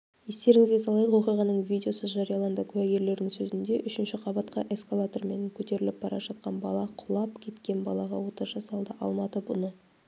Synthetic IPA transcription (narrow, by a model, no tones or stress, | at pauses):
je̞st̪e̞ɾɪŋɪzɡʲesɑlˠɑjəqwo̞qijʁɑnəɴvid̪ʲeo̞səzʒɑɾijɑlˠɑnd̪əkʲʰʉwæɡʲe̞ɾle̞ɾd̪ɪŋsɵzɪnd̪e̞ʔʏʃɪnʃɪqʰɑbɑt̪qɑʔe̞skalˠat̪o̞rme̞ŋkʲʰɵt̪e̞ɾɪlɪp̚b̥ɑɾɑ̰ʒɑt̪̚qɑnbɑlˠɑqʰʊlˠɑpkʲʰe̞t̪kʲe̞nbɑlˠɑʁɑwo̞t̪əɾʒɑsɑlˠd̪əʔɑ̰lˠmɑt̪əbʊnə